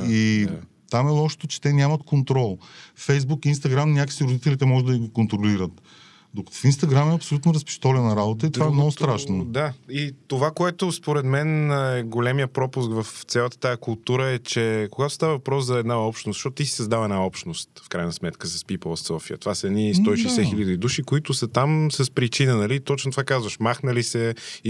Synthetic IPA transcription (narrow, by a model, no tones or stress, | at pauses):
i | t̪amɛlˠɔʃo̥t̪ot͡ʃɛ̥t̪ɛnʲamət̪kont̪ɾɔlˠfɛjzbukinst̪ɐɡɾamnʲakə̥siɾod̪it̪ɛlit̪ɛmɔʒɛd̪d̪ɐɡiɡikont̪ɾoliɾət̪ | d̪okt̪o̥finst̪ɐɡɾamɛɐpsolut̪noɾɐspi̥ʃt̪ɔlɛnːɐɾabot̪əit̪ovaɛmnɔɡʊst̪ɾaʃnod̪ait̪ovakoɛt̪ʊspoɾɛd̪mɛnɛɡolɛmijəpɾɔpʊskvɐft̪sʲalˠət̪ə̥t̪ajəkʊlˠt̪uɾəɛt͡ʃɛkoɡat̪o̥st̪avəvɐpɾɔszɐɛd̪naɔpʃt̪nosʃɔt̪ʊt̪isi̥səzd̪avəɛdnaɔpʃt̪nost̪fkɾajnəsmɛt̪kəsɐspipəlˠssɔfiə̰t̪ovasəɛd̪nist̪ɔiʃɛsɛxilʲəd̪iːd̪uʃikoit̪ʊsət̪amsɐspɾit͡ʃinənɐlit̪ɔt͡ʃnot̪ovakazvəʃmaxnəlisɛ